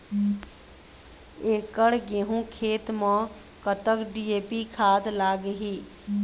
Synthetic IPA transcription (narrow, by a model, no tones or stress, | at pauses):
eːkəɽɡeɦũkʰeːt̪mə̃ | kət̪əkɖieːpikʰaːd̪laːɡɦiː